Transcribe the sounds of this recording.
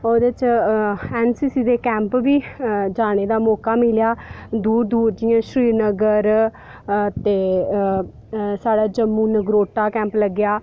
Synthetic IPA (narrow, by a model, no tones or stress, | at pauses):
oːd̪et͡ʃ | ɛːnsiːsiːd̪eːkɛ̃ːmpʋiːd͡ʒaːɽ̃eːd̪aːmɔːkaːmɪljaːd̪uːɾd̪uːɾd͡ʒɪjãːʃɾiːnəɡəɾ | t̪eː | saːɖaːd͡ʒəmːuːnəɡɾoːʈːaːkɛ̃ːmpləɡːjaː